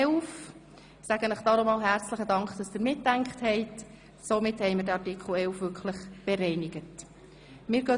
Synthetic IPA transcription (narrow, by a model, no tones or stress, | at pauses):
wf | sæɡ̥ənəχd̥ɑːɾomɑːlɦæɾt͡sləχədɑŋkχd̥ɑsd̥ɪɾmɪtːæŋkχthɛɪt | somɪthɛɪməɾdɛɑtikʰχl̩ɛwfʋʏkχləχb̥ɛɾɛɪnɪɡ̥ət | mɪːɾɡ̥ø